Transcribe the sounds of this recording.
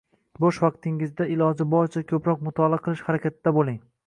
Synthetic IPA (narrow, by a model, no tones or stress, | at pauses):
bɒʃvɑq̚t̪ʰɪŋɪzd̪aɪlɒd͡ʒɪbɒɾt͡ʃʰakʲʰɵpɾɒq̚mʊt̪ʰɒlˠaqʰɨlˠɪʃhaɾakʲat̪̚ʰɪd̪abolˠɪŋ